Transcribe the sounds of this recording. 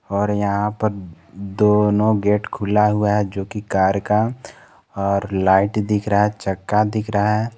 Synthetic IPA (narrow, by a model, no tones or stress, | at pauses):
ɔːɾjɐɦãpɐɾ | d̪oːnõɡeːʈkʰʊlaɦʊaɦɛd͡ʒoːkikaːɾka | ɔːɾlaːɪʈd̪ɪkʰɾaɦaɦɛt͡ʃɐkːad̪ɪkʰɾaɦɛ